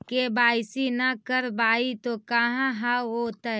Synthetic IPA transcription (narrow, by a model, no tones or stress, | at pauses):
kebaːɪsinakəɾbaːit̪okaɦãɦaoːt̪ɐ